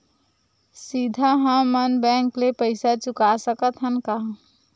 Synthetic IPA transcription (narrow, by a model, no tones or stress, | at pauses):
sid̪ʱaɦə̃mənbɛ̃ŋklepəɪsat͡ʃʊkasəkət̪ɦənkaɦ